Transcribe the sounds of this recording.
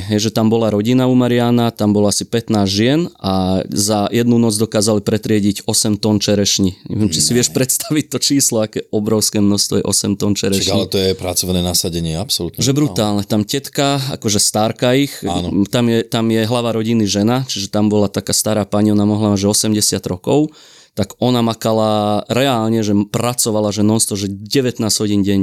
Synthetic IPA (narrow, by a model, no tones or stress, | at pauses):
ɦɛjʒɛt̪ambɔlaɾɔɟinaumaɾɪaːnat̪ambɔlɔasipɛt̪naːzʒɪɛnazajɛd̪nunɔd͡zd̪ɔkaːzalipɾɛt̪ɾɪɛɟiɟɔsɛmt̪ɔnt͡ʃɛɾɛʃɲiɲɛ̰ʋɪɛmt͡ʃisiʋɪɛʃpɾɛt̪st̪aʋic̚t̪ɔt͡ʃiːslɔakɛːɔbɾɔʊskɛːmnɔst̪ʋɔ̰jɛ̰ʔɔ̰sɛmt̪ɔnt͡ʃɛɾɛaɡaɲiɛt̪ɔjɛpɾat͡sɔʋnɛːnasaɟɛɲɪɛapsɔlut̪ɲʒɛbɾut̪aːlˠnɛt̪amcɛt̪kaa̰kɔʒɛst̪aɾkaixnt̪amjɛt̪amjɛɦlaʋaɾɔɟiniʒɛnat͡ʃiʒɛt̪ambɔlat̪akaːst̪aɾaːpaɲiɔnamɔɦlamaʒɛɔsɛmɟɛsɪad̪ɾɔkɔʊ | t̪aɡɔnamakalaɾɛaːlɲɛʒɛpɾat͡sɔʋalaʒɛnɔst̪ʋɔʒɛɟɛʋɛt̪naːz̥ɦɔɟinɟɛɲ